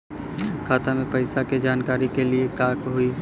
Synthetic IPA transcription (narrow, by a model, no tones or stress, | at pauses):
kʰaːt̪amẽpɐɪsaked͡ʒaːnkaːɾikeliekaːkɦʊi